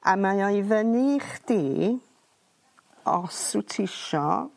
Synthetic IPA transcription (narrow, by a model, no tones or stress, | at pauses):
amajavəniχd̥iː | ɔ̰sutʰɪʃɔ̰